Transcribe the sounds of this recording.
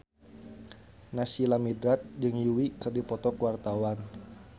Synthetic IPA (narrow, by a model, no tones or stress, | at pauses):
nasilamidɾat̪̚d͡ʒɨŋjiwikɨrdipɔt̪ɔkuwart̪awan